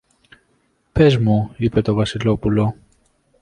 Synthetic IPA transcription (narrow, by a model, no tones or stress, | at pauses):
pe̞zmuipe̞t̪o̞vɐsilo̞pulo̞